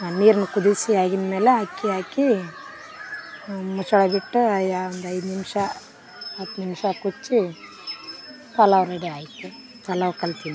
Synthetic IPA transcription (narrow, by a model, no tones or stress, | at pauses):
niːɾnɐkud̪iɾsiaːɡinmeːleɦakːiaːki | mut͡ʃɐɽɐbiʈːuɐjaond̪ɐjd̪nimʂɐ | ɐt̪ːnimʃɐkut͡ʃːi | p̪ɐlɐʋɾeɽiaːjit̪ːu | p̪ɐlɐʋkɐlt̪ini